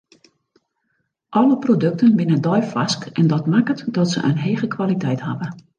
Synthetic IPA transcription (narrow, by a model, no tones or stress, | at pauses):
ʔɔləprodɵk̚tənbɪnədɔjfaskɛndɔtmakətdɔtsə̰ʔə̰nɦeːɣəkʰʋalitɛjtha̰və